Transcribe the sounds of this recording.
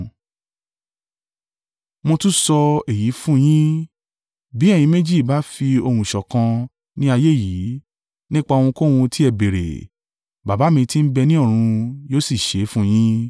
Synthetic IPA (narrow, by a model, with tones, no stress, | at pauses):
mõ˧tũ˦sɔ˧e˨ji˨˦fũ˦j̃ĩ˦ | bi˨˦ɛ˦˨j̃ĩ˧˦mẽ˦d͡ʒi˦˨ba˨˦fi˧o˧hũ˨ʃɔ˨kã˧ | nĩ˦a˧je˦˨ji˨˦ | nĩ˦k͡pa˧õ˧ũ˧ko˦˨w̃ũ˧tʰi˦ɛ˨be˨ɾḛ˨ | ba˨ba˨˦mĩ˧ti˦n̩˦bɛ˧nĩ˦ɔ˦˨ɾ̃ũ˧joː˦si˦˨ʃe˨˦fũ˦j̃ĩ˦